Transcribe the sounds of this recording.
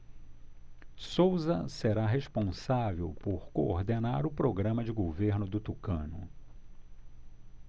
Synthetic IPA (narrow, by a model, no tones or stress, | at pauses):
sowzɐseɾaɦeʃpõsavewpoɾkooɾd̪enaɾʊpɾoɡɾɐ̃mɐd͡ʒɪɡoveɾnʊd̪ʊt̪ukɐ̃nʊ̰